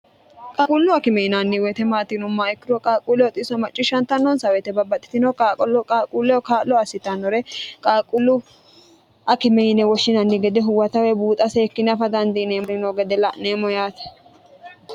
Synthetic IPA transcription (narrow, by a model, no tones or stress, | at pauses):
kʼaːkʼʊlːʊɐkɪmɛnanːɪwɛt̪ɛmaːt̪ɪnʊmːaɛkːɪɾɔkʼaːkʼulːɛwɔt̪ʼɪsɔmɐt͡ʃʼːɪʃɐnt̪ːɐnːɔnsɐwɛt̪ɛbɐbːɐt̪ʼːɪ̥t̪ɪnɔkʼaːkʼɔlɔkʼaːkʼulːɛɔkaːlɔɐsɪt̪ɐnːɔɾɛkʼaːkʼʊlːʊ | ɐkɪmɛjɪnɛwɔʃːɪnɐnːɪɡɛd̪ɛɦʊwɐt̪ɐwɛbuːt̪ʼɐseːkːɪnɐfɐd̪ɐnd̪ɪneːɾɪnɔɡɛd̪ɛlɐʔneːmɔjaːt̪ɛ̥